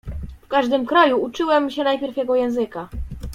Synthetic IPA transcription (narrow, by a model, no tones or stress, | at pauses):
fkaʐd̪ɘmkɾajuut͡ʂɘwɛmɕɛnajpʲjɛɾfjɛɡɔjɛ̃w̃zɘka